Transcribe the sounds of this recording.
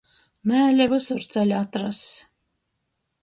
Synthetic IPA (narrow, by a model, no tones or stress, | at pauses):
mæːlʲɛvɨsʊɾt̪sælʲat̪ɾas